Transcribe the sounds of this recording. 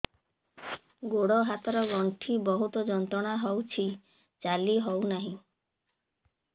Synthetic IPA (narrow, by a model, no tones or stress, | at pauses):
ɡoɽɔɦat̪ɔɾɔɡɔɳʈʰibɔɦut̪ɔd͡ʒɔnt̪ɾɔɽ̃aɦɔwt͡ʃʰi | t͡ʃaliɦɔwnaɦĩ